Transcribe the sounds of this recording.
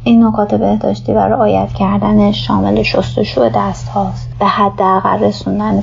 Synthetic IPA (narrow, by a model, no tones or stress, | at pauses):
ʔiːnːokʰɒːt̪ʰe̞be̞hd̪ɒ̰ːʃt̪ʰiːvæ̰ɾeʔɒːjæ̰t̪ʰcʰæɾd̪æneʃɒ̰ːme̞leʃost̪o̞ʃuːe̞d̪æst̪hɒːsbehæd̪ːeæɣæ̰lre̞sund̪æn